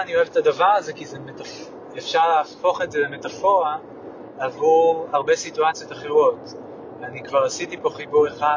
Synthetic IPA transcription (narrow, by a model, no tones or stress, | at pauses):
anio̞evetadavaʁaze̞kizemetaf | efʃaʁleːfo̞χetzelemetafo̞ʁa | avuʁaʁbe̞situat͡sjo̞taχeʁo̞t | vanikvaʁasitipo̞χibuʁe̞χa